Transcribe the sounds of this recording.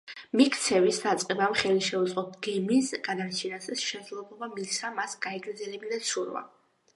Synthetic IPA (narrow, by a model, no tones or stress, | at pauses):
mikʰt̪sʰɛvisd̪at̪sʼqʼɛbamχɛliʃɛut̪sʼqʼɔp̪̚ɡɛmisɡ̥ad̪aɾt͡ʃʰinasɛsʃɛzlˠɛblˠɔbamisamasɡ̥aɛɡɾd̪zɛlɛbid̪at̪sʰuɾva̰